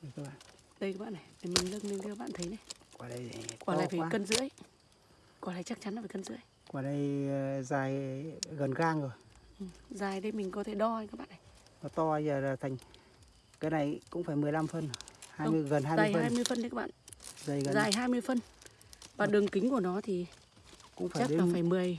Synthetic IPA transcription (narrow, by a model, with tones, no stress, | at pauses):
ɗə˧ka˧˦ɓa̰ː˧˨n | ɗə˧jka˧˦˥ɓaː˧˨na˨˩jmi˨˧˩mï˨˩ŋlɨ˧əŋnɨ˧t̪i˧˦ɓa̰ː˧˨nt̪ʰə˨˦jna˨˧jkwaː˨˩lə˧˩jkwaː˧˩˧laː˨˩fi˨˩a˧˦kə˧nzɨ̰˧˥əj | kwɔ˨˧˩laː˧˩jt͡ɕa˦˥k̚t͡ɕa˨˦nlaː˧˨fiː˨˩kə˧nzɨ̰˧˥əj | kwaː˨˩ɗə˧jzaː˨˩jɣə˨˩nɣaː˧ŋzo˨˩jʔɨ˨˩zaː˨˩jɗə˨˦jmï˨˩ŋ̟kɔ˨˦t̪ʰe˧˩ɗɔ˧kaː˦˥kɓ̰ːna˨˩j | mɔ˨˩t̪ɔ˧ə˧jzəː˨˩laː˨˩t̪ʰa˨˩jŋ̟ | kaː˨˦jna˨˩jkʊ̰˧˥ŋ͡mfaː˧˩jmɨ˨˩əjla˧mfə˧nhaː˧jmɨ˧əjɣə˨˩nhaː˧jzaɨː˧˨˩jhːjmɨ˧əjfə˧n˧˨˦kaː˦˥ɓ̰ːzə˧˩jɣə˨zaː˨˩jɦaː˧jmɨ˧əjfə˧nvaː˨˩ɗɨ˨˩əŋkï˨˦ŋ̟ku˧˩ənɔ˨˦t̪ʰi˨˩ | kʊ̰˧˥ŋ͡mfaː˧t͡ɕːɗə˧˦lːaː˨faː˧˩jmɨ˨˩əj